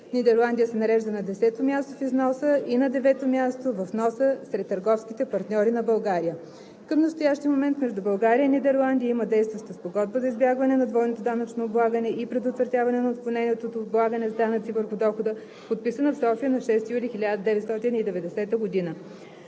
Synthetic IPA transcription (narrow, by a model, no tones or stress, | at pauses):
nid̪ɛɾlˠand̪iəsɛnɐɾɛʒd̪ənɐd̪ɛsɛt̪omʲast̪ofiznɔsəʔinɐd̪ɛvɛt̪omʲjast̪ovɐfnɔsəsɾɛt̪ːəɾɡɔfskʲit̪ɛpɐɾt̪nʲɔɾinɐbɐlˠɡaɾijə | kəmnɐst̪ojaʃt̪ijəmomɛnt̪mɛʒd̪ʊbɐlˠɡaɾiəinid̪ɛɾlˠand̪ijəiməd̪ɛjst̪vəʃt̪əspoɡɔd̪̚bəzɐizbʲjaɡvɐnɛnɐd̪vɔjnot̪od̪anət͡ʃnoːblˠaɡənɛʔipɾɛd̪ot̪vɾɐt̪ʲjavɐnɛnɐot̪̚kɐlˠnɛnʲiɛt̪ot̪oːd̪blˠaɡənɛzd̪anət̪sivəɾxʊd̪ɔxod̪ə | pot̪̚pisənɐfsɔfiənɐʃɛst̪ijulixilʲad̪əd̪ɛvɛt̪st̪ɔt̪inid̪ɛvɛd̪ɛsɛt̪əɡod̪inə